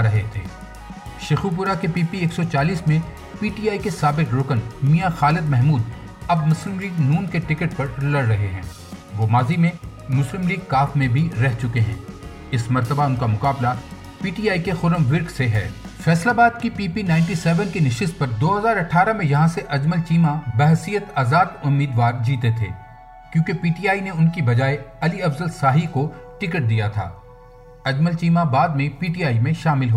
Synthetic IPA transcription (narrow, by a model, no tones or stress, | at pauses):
ɾɐɦet̪ʰḛː | ʃexup̬ʊɾakepiːpieːksɔt͡ʃaːliːsmẽ | piːʈiːaːikesaːbɪkɾʊkənmijaxaːlɪd̪̚mɛɦmuːd̪ | ɐb̚mʊslɪmliːɡnuːnkeʈɪkəʈ̚pɐɾlɐɽɾɐɦeɦɛ̰̃ː | ʋoːmaːzimẽ | mʊslɪmliːɡ̚kaːfmẽbʱiɾɛɦt͡ʃʊkeɦɛ̰̃ː | ɪsmɐɾt̪əbaʊnkamʊkaːbla | piːʈiːaːikexʊɾəmʋɪɾkseɦɛ̰ː | fɛːslabaːd̪̚kipiːpinaːɪ̃ɳʈ̬isɛːʋənkinɪʃɪst̪̚pɐɾd̪oːɦɐzaːɾɐʈʰːaːɾamẽjɐɦãseʔɐd͡ʒməlt͡ʃiːmabɛɦsijət̪aːzaːd̪ʊmːiːd̪ʋaːɾd͡ʒiːt̪et̪ʰḛː | kjõːkepiːʈiːjaːineʊnkibɐd͡ʒaːeɐliɐfzəlsaːɦikoʈɪkəʈ̚d̪ijat̪ʰa̰ː | ɐd͡ʒməlt͡ʃiːmabaːd̪̚mẽpiːʈijaːimẽʃaːmɪlɦoː